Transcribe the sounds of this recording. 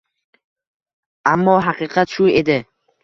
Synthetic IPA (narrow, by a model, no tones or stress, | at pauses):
ʔamːɔɦaqiqat̪̚t͡ʃued̪e